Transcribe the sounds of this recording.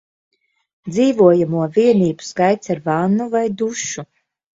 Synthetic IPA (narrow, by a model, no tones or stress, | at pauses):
d̪ziːvuɔjamuɔviɛniːbu̥skajt̪saɾvanːuvajd̪uʃu